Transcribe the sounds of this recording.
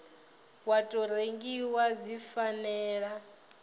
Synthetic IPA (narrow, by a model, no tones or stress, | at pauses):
watʼɔɾeŋɡiwazifanɛːɺa